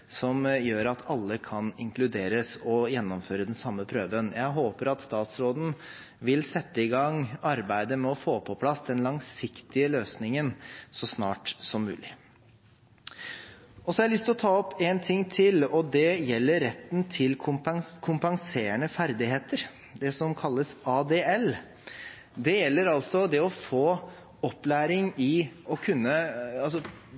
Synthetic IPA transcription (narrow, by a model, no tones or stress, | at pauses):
sɔmjøːɾɑt̪ʰɑlːəkʰɑnɪŋklʉd̪eːɾəsɔjɛnːɔmføːɾəd̪ɛnsɑmːəpʰɾøːʋənjæɪɦoːpəɾɑt̪st̪ɑːt̪sɾoːd̪n̩ | ʋɪlsɛt̪ːəɪɡɑŋɑɾbæɪd̪əmɛɔfoːpʰɔpʰlɑsd̪ɛnlɑŋsɪkt̪ɪəløːsnɪŋənsɔsnɑ̰ːʈsɔmːʉ̰ːlɪ | ɔsɔæɾlʏst̪ɪlɔt̪ʰɑːɔpːent̪ʰɪŋːt̪ʰɪlɔd̪ɛjɛlːəɾɛt̪ːnt̪ʰɪlʰkʰʊmpɑŋseːəɳəfæɾd̪ɪheːt̪əɾ | d̪ɛsɔmkʰɑlːəsɑːd̪eːɛl | d̪ɛjɛlːəɾɑlsɔd̪ɛɔfoː | ɔpːlæːɾɪŋɪɔkʰʉnːəɑlsɔ